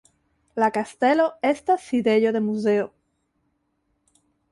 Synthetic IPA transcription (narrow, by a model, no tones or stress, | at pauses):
lakast̪eloest̪asiðeʎoðemuseo